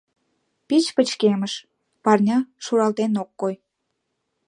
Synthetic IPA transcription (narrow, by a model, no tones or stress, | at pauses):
pit͡ɕpət͡ɕkeməʃ | pɑrnʲɑʃuɾɑlt̪enokːoj